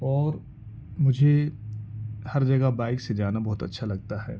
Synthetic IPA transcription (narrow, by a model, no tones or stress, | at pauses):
ɔːɾ | mʊd͡ʒʱe | hɐɾd͡ʒɐɡabaːɪksed͡ʒaːnabɔɦt̪ɐ̰tːʃʰalɐɡ̚t̪aɦɛ̰ː